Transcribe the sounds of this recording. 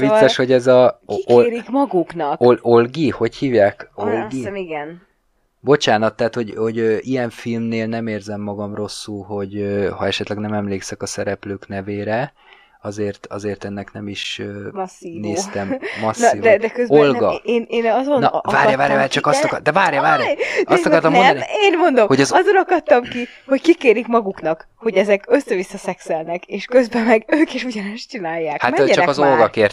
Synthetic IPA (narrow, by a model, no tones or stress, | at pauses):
visːɛʃho̞ɟɛzɒɾikmɒɡuknɒkolɡiho̞chiːvjaːkolɡiiɡɛn | bo̞t͡ʃaːnɒt̪ːaːt̪ho̞ɟho̞ɟøːʔijɛɱfilmneːlnɛmeːrzɛmːɒɡɒmro̞sːulɦo̞ɟøhɒɛʃɛt̪lɛɡnɛmɛmleːksɛkɒsɛɾɛpløːknɛveːɾɛ | ɒzeːrt̪ɒ̰zeːrt̪ɛnːɛknɛmiʃøːmɒsːiːneːst̪ɛmːɒsnid̪ɛd̪ɛkøzolɡɒeːneːnɒzo̞nvaːɾjɒvaːɾjaːt͡ʃɒkɒst̪ɒkd̪ɛvaːrjɒvaːɾj̪ɒst̪ɒkkɒrt̪ɒmoɛd̪ɒnieːnmo̞nd̪o̞mhoɟɒzɒzonɒkɒt̪ːɒmkiho̞ckikeːɾikmɒɡuknɒk | ho̞ɟɛzɛkø̞sːɛvisːɒsɛksɛlnɛkeːʃkø̞zbɛmɛɡøːkeʃuɟɒnɛʃt͡ʃinaːjːaːkhamɛt͡ʃɒkɒzolɡɒkeːrt̪